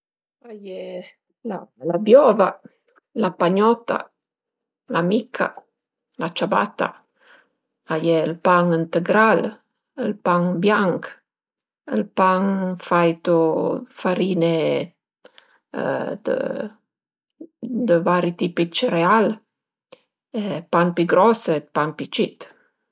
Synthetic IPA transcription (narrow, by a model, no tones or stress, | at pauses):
aje | lalabjɔva | lapaɲɔt̪ːa̰ | lamikʰːa̰ | lat͡ʃaba̰t̪ːa̰ | ajɛəlpaŋint̪əɡɾal | əlpaŋbjaŋk | ə̰lpaŋfajt̪ufaɾiːne | d̪ə̰ | d̪əvaɾit̪ipit͡ʃəɾeal | epaŋpiɡɾɔsepaŋpit͡ʃit̪